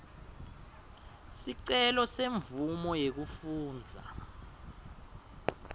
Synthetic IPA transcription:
siǀɛlɔseɱvumɔjek̬ufuːnd͡zʱa̰

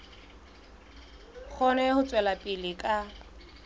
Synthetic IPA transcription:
k͡xʰɔnɛhʊt͡sʼwɛlapʼɪlɪkʼa

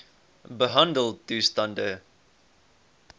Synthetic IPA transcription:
bəɦãndəl̚ˠtːuːstãndə

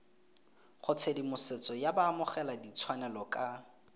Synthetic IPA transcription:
χʊt͡sʰedimʊsɪt͡sʼɔjabaːmʊχɛladit͡sʰwanɛlɔkʼa

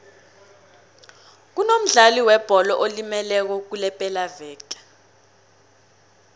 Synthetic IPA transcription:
k̬unom̩ɮaliwɛb̥ʱɔlɔʔolimɛlɛk̬ɔk̬ulɛpʼɛlavɛːkʼḁ

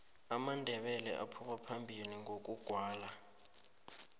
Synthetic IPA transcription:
amandʱɛɓɛlɛ̰ʔa̰pʰumapʰambʱiliŋʱok̬ʼuɡ̥ʱwaːla

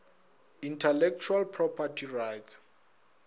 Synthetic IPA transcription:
intʰɛlɛk̚t͡ʃʰualpʰrɔpʰatʰirajts

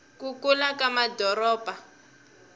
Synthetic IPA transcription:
kukulakamadɔɾɔːb̥ʱa

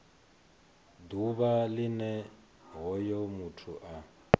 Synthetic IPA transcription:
d̪uβalinɛ | ɦɔjɔmutʰuʔa

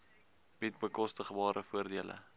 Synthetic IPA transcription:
b̥itbəkɔstəχbɑːɾəfuərdiələ̰

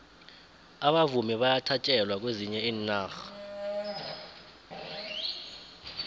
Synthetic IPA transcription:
aɓavumiɓajatʰat͡ʃʼɛlwak̬weziɲɛiːnːaːxḁ

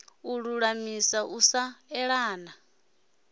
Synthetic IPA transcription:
uɺuɺamisaʔusaɛɺaːna

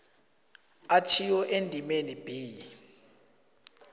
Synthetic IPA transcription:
atʰiwɔʔendʱimenib̥iːji

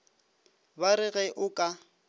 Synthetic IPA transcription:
baɾɪɣɛʔʊkʼa

